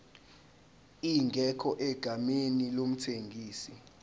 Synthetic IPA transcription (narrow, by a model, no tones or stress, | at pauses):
iŋɡʱɛkʰɔʔɛɡ̥ʱamenilom̩tʰeŋɡʱiːsi